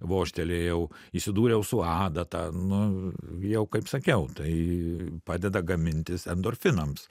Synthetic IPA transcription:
ʋoːʃʲt̪ʲɛlʲeːjɛʊ | isʲɪd̪uːɾʲɛjɛʊsʊɑːd̪ɐt̪ɑːnʊjɛʊkɐɪpsɐkʲɛʊt̪ɐɪpɑːd̪ʲɛd̪ɐɡɐmʲɪnʲt̪ʲɪsɛnd̪oːrʲfʲɪnɐms

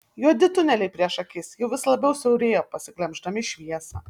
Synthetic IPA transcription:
juɔd̪ʲɪt̪ʊnʲɛlʲɛɪpʲɾʲiɛʃɐkʲɪsjɛʊʋʲɪslˠɐbʲɛʊsɛʊɾʲeːjoːpɐsʲɪklʲɛmʲʒd̪ɐmʲɪʃʲʋʲiɛsɑ̰ː

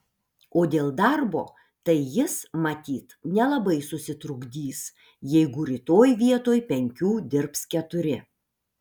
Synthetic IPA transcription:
oːd̪ʲeːlˠd̪ɐɾbo̰ː | t̪ɐɪjɪsmɐt̪ʲiːt̪nʲɛlˠɐbɐɪsʊsʲɪt̪ɾʊɡd̪ʲiːs | jɛɪɡʊɾʲɪt̪oːjʋʲiɛt̪oːjpʲɛŋʲkʲuːd̪ʲɪɾpskʲɛt̪ʊɾʲɪ

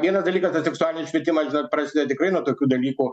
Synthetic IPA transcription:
ʋʲiɛnɐsd̪ɐlʲiːkɐst̪ɐsʲɛksʊaːlʲɪnʲɪsʃʲʋʲiɛt̪ʲɪmɐʒʲɪnoːt̪̚pɾɐːsʲɪd̪ʲɛt̪ʲɪkɾɐɪnuɔt̪oːkʲuːd̪ɐlʲiːku

